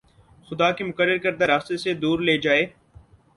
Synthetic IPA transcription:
xʊd̪aːkemʊkəɾːəɾkəɾd̪aɾaːst̪esed̪uːɾleːd͡ʒaːeː

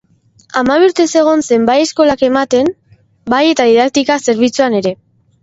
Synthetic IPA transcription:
amaβ̞iɾt̪e̞se̞ɣ̞o̞nse̞mbaje̞sko̞lake̞mat̪e̞m | baje̞t̪aðiðak̚t̪ikase̞ɾβ̞it͡suane̞ɾe̞

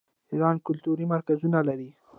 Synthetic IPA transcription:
iɾɑnkʊlt̪uɾimaɾkazunalaɾi

